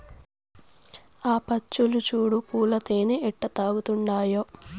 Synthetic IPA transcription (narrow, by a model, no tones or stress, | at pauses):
aːpɐt͡ʃːulut͡ʃuːɽupuːlɐt̪eːneʔɛʈːɐt̪aːɡut̪uɳɖaːjoː